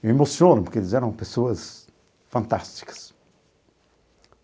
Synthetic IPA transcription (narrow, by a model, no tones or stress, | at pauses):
emosjonmuɾked̪izɛɾɐ̃w̃pesoɐz | fɐ̃nt̪ast̪i̥kɐ̥s